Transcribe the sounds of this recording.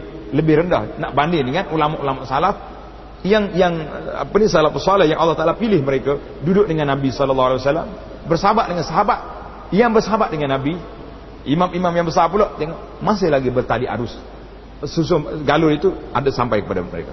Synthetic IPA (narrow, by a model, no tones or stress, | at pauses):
ləbɪhɾənda̰hnaʔbandɪŋnikanulamaʔulamaʔsalaf | jaŋjaŋa̰pənisalafpəsalɛhjaŋʔɑlːɑht̪alapilɪhməɾeka | dudʊk̚dəŋanːabisɔlɔlˠːɑɦualiwasalːam | bərsaabat̪ʔ̚dəŋansaɦabat̪̚ | jaŋbərsaɦabaʔ̪̚dəŋanːabi | imamimamjaŋbərsaploʔdaŋʔ | mas̬ɪhlaɡibərt̪aliʔa̰ɾʊs | sus̬ʊɡalʊlit̪ua̰dasampajkəpada̰məɾḛka